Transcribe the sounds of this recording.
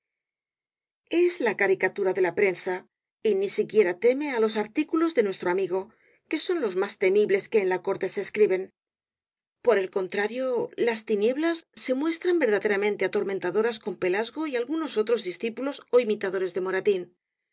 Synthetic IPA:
e̞zlakaɾikat̪uɾaðe̞lapɾe̞nsa | inisikje̞ɾat̪e̞me̞alo̞saɾt̪ikulo̞zðe̞nwe̞st̪ɾo̞amiɣo̞ | ke̞so̞nlo̞zmast̪e̞miβle̞ske̞ːnlako̞ɾt̪e̞seːskɾiβe̞n | po̞ɾe̞lko̞nt̪ɾaɾjo̞last̪inje̞βlasːe̞mwe̞st̪ɾambe̞ɾð̞aðe̞ɾamẽ̞nt̪eat̪o̞ɾment̪aðo̞ɾasko̞mpe̞lazɣo̞ialɣuno̞so̞t̪ɾo̞zðisθipulo̞so̞imit̪aðo̞ɾe̞zðe̞mo̞ɾat̪in

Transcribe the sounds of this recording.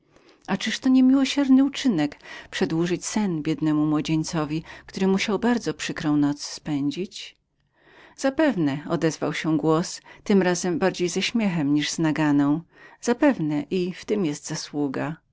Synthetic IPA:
at͡ʂɘʂt̪ɔɲɛmʲiwɔɕɛɾnɘut͡ʂɘnɛkpʂɛd̪wuʐɘt͡ɕsɛnbʲjɛd̪nɛmumwɔd͡ʑɛɲt̪sɔvʲikt̪uɾɘmuɕawbaɾd̪zɔpʂɘkɾɔ̃w̃nɔt̪sspɛɲd͡ʑit͡ɕ | z̥apɛvnɛɔd̪ɛzva̰wɕɛɡwɔst̪ɘmɾazɛmbaɾd͡ʑejzɛɕmʲjɛxɛmɲiʐz̥naɡanɔ̃w̃ | z̥apɛvnɛʔift̪ɘmjɛst̪z̥aswuɡa

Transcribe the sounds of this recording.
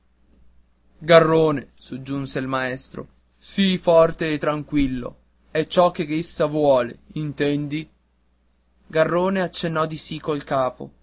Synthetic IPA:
ɡarːoːnesod͡ʒːunseilmaɛst̪ɾo̰ | sifɔrt̪eːt̪ːɾaŋkwilːo̰ | ɛt͡ʃːɔk̟ːeesːavwɔːleint̪ɛnd̪i | ɡarːoːneat͡ʃːenːɔd̪isikːolkaːpo̰

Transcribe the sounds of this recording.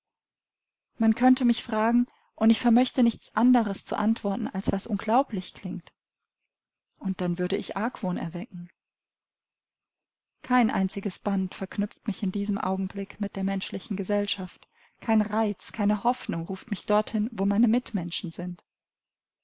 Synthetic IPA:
mankʰœntəmɪçfʁ̥aːɡŋ̩ | ʔʊntɪçfɛɐmœçtənɪçt͡sʔandəʁəst͡sṵʔa̰ntv̥ɔɐtn̩alsv̥asʔʊnɡlaʊplɪçkl̥ɪŋt | ʔʊnt̚d̥anvʏɐɾəɪçʔaɐkv̥oːnɛ̰ɐvɛkŋ̩ | kʰaɪnʔa̰ɪnt͡sɪɡəsb̥antfɛɐknʏp͡ftmɪçɪndiːzəmʔa̰ʊɡŋ̩blɪkmɪt̚d̥eːɐmɛnʃlɪçn̩ɡəzɛlʃaft | kʰaɪnʁaɪt͡skʰaɪnəhɔfnʊŋʁuːftmɪçd̥ɔɐthɪnvoːmaɪnəmɪtmɛnʃn̩zɪnt

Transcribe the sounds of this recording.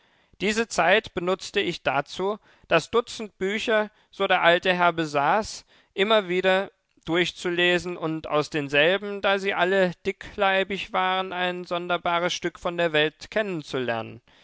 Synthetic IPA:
d̥iːzət͡saɪtb̥ənʊt͡stəɪçd̥at͡suː | d̥asd̥ʊt͡sn̩t̚b̥yːçɐ | z̥oːɾeːɐʔaltəɦɛɐbəzaːs | ʔɪmɐviːɾɐ | d̥ʊɐçt͡suleːzn̩ʔʊnta̰ʊsd̥eːnzɛlbm̩daːziːʔaləd̥ɪklaɪbɪçv̥aːʁənʔaɪnzɔndɐbaːʁ̞əsʃtʏkfɔndeːɐvɛltkʰɛnənt͡sulɛ̰ɐnə̰n

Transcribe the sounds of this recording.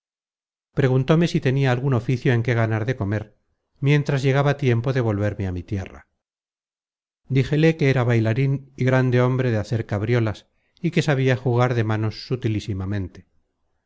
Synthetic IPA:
pɾe̞ɣ̞unt̪o̞me̞sit̪e̞niaːlɣuno̞fiθjoe̞ŋke̞ɣ̞anaɾðe̞ko̞me̞ɾ | mje̞nt̪ɾazʝe̞ɣ̞aβat̪je̞mpo̞ðe̞β̞o̞lβe̞ɾmeamit̪je̞̰ra̰ | d̪ixe̞le̞keeɾaβajlaɾiniɣɾand̪e̞o̞mbɾe̞ðeaθe̞ɾkaβɾjo̞las | ike̞saβ̞iaxuɣ̞aɾðe̞mano̞sːut̪ilisimamẽ̞nt̪e̞̥

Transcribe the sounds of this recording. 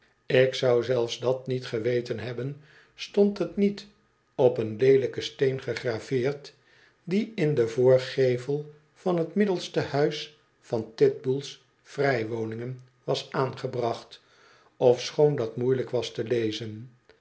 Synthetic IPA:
ɪksʌwzɛlˠfzdɑt̚nitχəʋejtənɦɛbən | stɔntətnit | ɔpənlejləkəstejnχəχraːv̥ɪːɹt | diɪndəvʊːɹχejvəlˠ | fɑnɦətmɪdəlˠstəhœɥs | fɑntɪt̚bulˠs | frɛjʋownɪŋən | ʋɑsaːnχəbrɑχt | ɔfsχowndɑtmujləkʋɑstəlejzən

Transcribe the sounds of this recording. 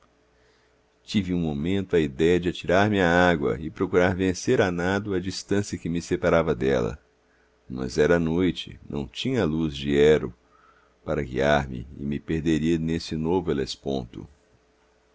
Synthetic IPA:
t͡ʃivɪũmomẽnt̪ʊɐid̪ɛjɐd͡ʒɪat͡ʃiɾaɾmɪaaɡwɐ̰ɪpɾokuɾaɾvẽseɾanad̪ʊɐd͡ʒist̪ɐ̃sjɐkɪmɪsepaɾavɐd̪ɛlɐ̰ | mɐ̰zɛɾɐanojt͡ʃɪ̰nʔɐ̰̃w̃t͡ʃĩɲɐluzd͡ʒiɛɾʊ̰ | paɾɐɡḭaɾmɪ̰ɪ̰mɪpeɾd̪eɾiɐnesɪnovʊelespõ̰nt̪ʊ̰

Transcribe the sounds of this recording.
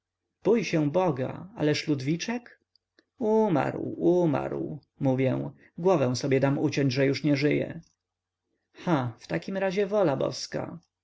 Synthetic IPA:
b̥ujɕɛ̃bɔɡa̰a̰lɛʂlud̪vʲit͡ʂɛk | uma̰ɾwuma̰ɾw | muvʲjɛw̃ | ɡwɔvɛ̃w̃sɔbʲjɛd̪amut͡ɕɔ̃ɲd͡ʑʐɛjuʂɲɛʐɘjɛ̰ | xaft̪akʲimɾaʑɛvɔlabɔ̰ska̰

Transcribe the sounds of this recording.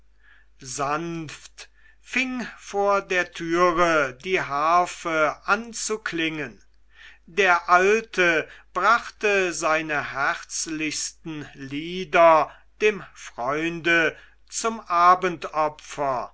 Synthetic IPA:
zanft | fɪŋfoːɐdeːɐtʰyːʁədiːɦaːfəʔant͡suklɪŋən | deːɐʔaltʰəb̥ʁaχtəzaɪnəhɛʁt͡slɪçstn̩liːdɐ | d̥eːmfʁ̥ɔʏndə | t͡sʊmʔaːbəntɔpfɐ

